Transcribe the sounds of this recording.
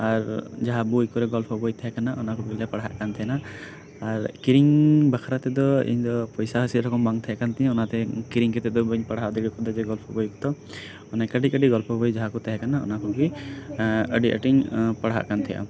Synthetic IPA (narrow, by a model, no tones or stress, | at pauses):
aɾd͡ʒaɦabujkɔɾɛɡɔlpʰɔbɔjt̪aɦɛkanaɔnakɔbiljapaɽaɦa̰ʔkant̪ʰijna | aɾkiɾiŋbakʰaɾat̪ɛd̪ɔḭɲd̪ɔpɔjsaɦɔsit̪ɾɔkɔmbaŋt̪ʰajakant̪ɛɲɛ̃ɔnat̪ɛkiɾiŋkɛt̪ɛd̪ɔbəɲpaɽɦaʔd̪iɡɔkɔd̪ɔd͡ʒɛɡɔlpʰɔbɔjku̥t̪ɔ | ɔnɛkəɖiəɖiɡɔlpʰɔbɔjd͡ʒaɦakut̪aɦɛkanaɔ̰nakɔɡi | əɖiʔə̰ʈiɲpaɽɦa̰ʔkant̪ʰija̰